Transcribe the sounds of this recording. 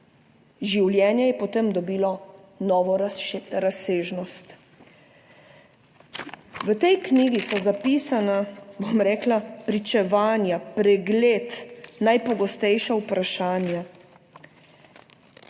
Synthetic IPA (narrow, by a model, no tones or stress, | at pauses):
ʒiwljɛːnjɛjɛpɔt̪emd̪ɔbiːlɔ | nɔːʋɔɾaseːʒnɔst̪ | ʋət̪ɛjkniːɡisɔzapiːsanabomɾɛːklapɾit͡ʃɛʋaːnjapɾɛɡleːt̪najpɔɡɔst̪ɛjʃawpɾʔaʃaːnja